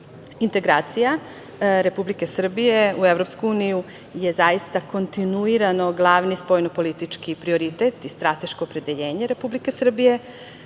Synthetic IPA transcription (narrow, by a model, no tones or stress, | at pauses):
int̪e̞ɡɾaːt̪sija | ɾe̞publike̞sr̩bije̞ueʋɾo̞pskuuːniju | je̞zajist̪ako̞nt̪inuiɾano̞ɡlˠaʋnispojnopo̞lit̪it͡ʂkipɾio̞ɾit̪et̪ist̪ɾat̪e̞ʃkoːpɾe̞d̪eʎe̞ːɲeɾe̞publike̞sr̩bije̞